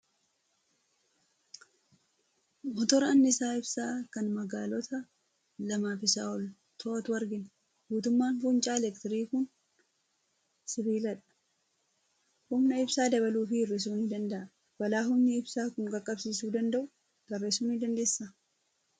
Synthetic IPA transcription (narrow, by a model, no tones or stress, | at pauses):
mɔt̪ɔɾɐɐnːɪsaːɪbsaːkɐnmɐɡaːlɔt̪ɐ | lɐmaːfɪsa̰ːɔl | t̪ʰɔʔɐt̪wɐɾɡɪn | buːt̪ʊmːaːnfʊnt͡ʃʼaːɛlɛkt̪ɪɾiːkʊn | sɪbiːlɐᶑɐ̥ | hʊmnɐɪbsaːd̪ɐβɐluːfɪɪrːes̬uːnɪd̪ɐnd̪ɐʔɐ | wɐlaːɦʊmnɪɪbsaːkʊŋɡɐkʼːɐbsiːsuːd̪ɐnd̪ɐʔʊ | d̪̥ɐrːeːsuːnɪd̪ɐnd̪eːsːa